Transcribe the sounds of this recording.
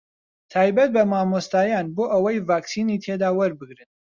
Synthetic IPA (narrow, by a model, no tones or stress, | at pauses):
t̪ʰaːjbɐt̪̚bɐmaːmost̪aːjaːnboːʔɐwɐjvaːksiːniːt̪ʰed̪aːwɐɾbɨɡɾɨn